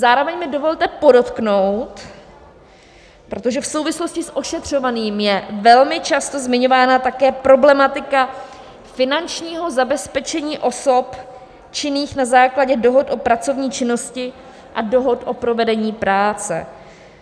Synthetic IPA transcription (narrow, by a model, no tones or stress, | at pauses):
zaːɾo̞vɛɲmɪdovo̞lt̪ɛpo̞do̞t̪knowt̪ | pɾo̞t̪oʒɛfsowvɪslo̞scɪsʔo̞ʃɛt̪r̝̥o̞vaniːmjɛvɛlmɪt͡ʃast̪o̞zmɪɲo̞vaːnat̪akɛːpɾo̞blɛmat̪ɪka | fɪnant͡ʃɲiːɦo̞zabɛspɛt͡ʃɛɲiːʔo̞so̞p | t͡ʃɪniːxnazaːklaɟɛdo̞ɦo̞t̪ʔo̞pɾat͡sovɲiːt͡ʃɪno̞scɪ | ʔado̞ɦo̞t̪ʔo̞pɾo̞vɛdɛɲiːpɾaːt͡sɛ̰